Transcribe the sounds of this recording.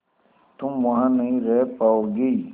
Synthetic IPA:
t̪ʊmʋɐɦãnɐɦĩɾɛɦpaːoɡəi

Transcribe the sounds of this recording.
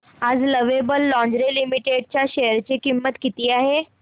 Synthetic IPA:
ad͡zləʋebəlːɔ̃ɲd͡ʑɾelimiʈeɖ̚t͡ɕjaɕejəɾt͡ɕekimːət̪kit̪iːaɦe

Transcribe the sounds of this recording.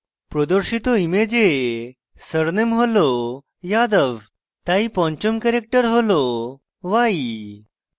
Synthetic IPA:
pɾɔd̪ɔɾɕit̪oimed͡ʑe | səɾnemɦolo | jad̪əʋ | t̪aipɔ̃ɲt͡ɕumkɛɾek̚ʈəɾɦolo | ʋai

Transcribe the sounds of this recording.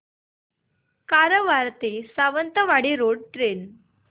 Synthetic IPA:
kaɾəʋaɾt̪esaʋənt̪əʋaɽiɾoɽʈɾen

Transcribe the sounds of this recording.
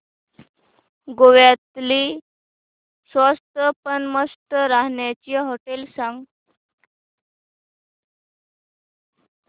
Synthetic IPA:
ɡoʋjat̪li | sʋəst̪əpənməst̪əɾaɦɳjat͡ɕiɦoʈelsãŋɡ

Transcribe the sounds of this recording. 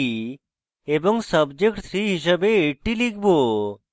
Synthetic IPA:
i | eboŋsəbd͡ʑekʈt̪ʰɾiɦiʃ̬əbeeʈilik̚ʰbo

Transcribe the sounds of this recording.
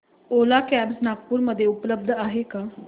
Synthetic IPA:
olakæbsnak̚puːɾməd̪ʱːjeupləb̚d̪ʱaɦekaː

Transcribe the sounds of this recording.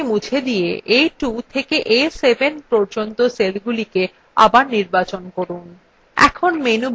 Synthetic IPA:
mud͡ʑʰʱed̪ijḛʔejʈut̪ʰekeʔesebenpɔɾd͡ʑont̪oselɡulike | a̰baɾniɾbat͡ɕonkoɾun | ɛ̰kʰonmenub

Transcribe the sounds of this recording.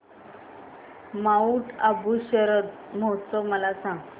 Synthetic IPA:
mauʈabuɕəɾət̪mɔt͡sɔməlasãŋɡ

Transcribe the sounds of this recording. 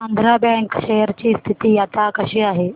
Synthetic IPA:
ɐ̃nd̪ʱɾabɛ̃ŋkʃejəɾt͡ɕiːst̪ʰit̪iːjaːt̪akɐʃiaːɦeː

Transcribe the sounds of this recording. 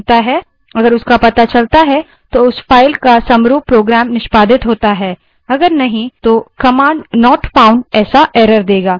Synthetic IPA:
t̪aɦɛ | ɐɡəɾʊskapɐt̪at͡ʃɐlt̪aɦɛ | t̪oʊsfʰaːɪlkasɐ̃mɾuːbpɾoːɡɾɛːmnɪʃpaːd̪ʱɪt̪ɦoːt̪aɦɛː | ɐɡəɾnɐɦĩt̪okɐmãːɳɖnɔːʈfãːʊ̃ɳɖɛːsaʔɛːɾəɾd̪eːɡaː

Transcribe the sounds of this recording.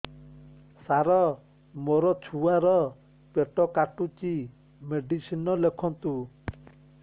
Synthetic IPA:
saɾɔ | mɔɾɔt͡ʃʰuaɾɔ | peʈɔkaʈut͡ʃi | meɖisinɔlekʰɔnt̪u

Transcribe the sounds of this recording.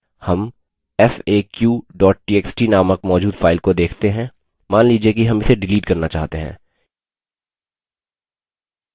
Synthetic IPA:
hɐm | ɛfeːkjuːɖɔːʈ̚ʈiːeːksʈinaːməkmɔːd͡ʒuːd̪fʰaːɪlkod̪eːkʰt̪eɦɛ̃ | maːnliːd͡ʒiekiɦɐmɪseɖɪliːʈkɐɾnat͡ʃaːɦt̪eɦɛ̰̃ː

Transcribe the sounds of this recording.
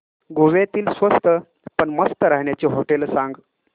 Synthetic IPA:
ɡuʋet̪iːlsʋəst̪ə | pəɳməst̪əɾaɦɳjat͡ɕiɦoʈelsãŋɡ

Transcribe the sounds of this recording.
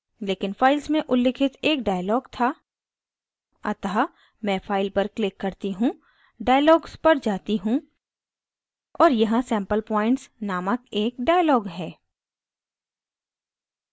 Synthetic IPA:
leːkɪnfaːɪlsmẽʔʊlːɪkʰɪt̪eːk̚ɖaːjlɔːɡt̪ʰaː | ɐt̪əɦa | mɛ̃ːfʰaːɪlpɐɾklɪkːɐɾt̪iɦũ | ɖaːjəlɔːɡspɐɾd͡ʒaːt̪iɦũ | ɔːɾjɐɦãsɛ̃ːmpəlpɔːɪ̃ɳʈsnaːməkeːkɖaːjəlɔːɡɦɛː

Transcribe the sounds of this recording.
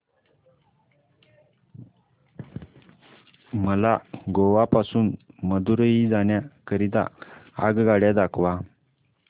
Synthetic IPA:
məlaɡoʋapasuːnməd̪uɾəjid͡zaɳjakəɾid̪a̰a̰ɡɡaɽjad̪akʰʋa

